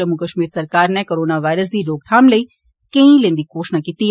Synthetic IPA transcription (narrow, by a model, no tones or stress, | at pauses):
ɐmːukəʃmiːɾsɐɾkaːɾnɛ̃koːɾoːnaʋaːɪɾəs̬d̪iloːk̚t̪ʰaːmləi | kẽĩlẽːnd̪ikoːʃnakiːt̪i